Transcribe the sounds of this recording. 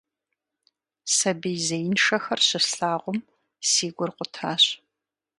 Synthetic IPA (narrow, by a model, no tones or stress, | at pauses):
sɐbijzɐjɪnʂɐxɐrɕɪɬaːʁʷʊm | siːɡʷʊrqʷʊtʰaːɕ